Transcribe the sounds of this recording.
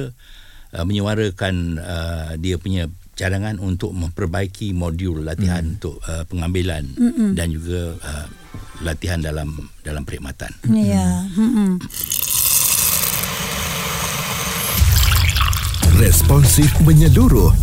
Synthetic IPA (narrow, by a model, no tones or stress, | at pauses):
ʔməɲəwaɾəkanədiəpuɲã | t͡ʃadaŋanunt̪ʊk̚mə̃mpərbaikʰimodjulːat̪iɦanunt̪ʊʔəpəŋãmbilandand͡ʒuɡaə | lat̪iɦandalamdalampəɾiʔmat̪a̰nja | rɛspɔnsifmə̃ɲəluɾʊh